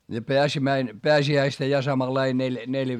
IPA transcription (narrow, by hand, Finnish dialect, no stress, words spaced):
jɑ peæsimæin peæsiæistæ jɑ sɑmɑlɑi nelʲ neljæ